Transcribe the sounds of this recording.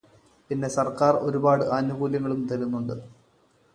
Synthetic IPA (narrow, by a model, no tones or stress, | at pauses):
pinːe̞sɐrkaːro̞̰ɾubaːɽɨʔaːnubuːljɐŋːɐɭumt̪ɐɾunːuɳɖɨ